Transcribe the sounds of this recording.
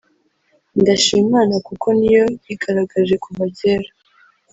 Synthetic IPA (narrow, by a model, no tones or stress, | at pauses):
ndaʃiːmmaːnakukʰo̞nijojiɡaɾaɡaʒe̞kuβaɟeɾa